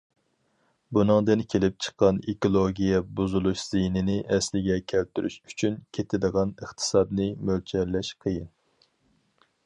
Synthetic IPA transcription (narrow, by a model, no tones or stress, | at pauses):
bunɨŋd̪ɨnkʲʰelɪp̚t͡ʃʰə̥qːɑnekolˠoɡʲijɛbuzulˠuʃz̥inɪnɪʔɛslɪɡʲɛkʲʰælt̪yɾy̰ʃy̥t͡ʃʰynkʲʰet̪ʰɪd̪əʁɑnəχt̪ʰɨ̥sɑd̪nɨmølt͡ʃʰɛɾlɛʃqʰəjin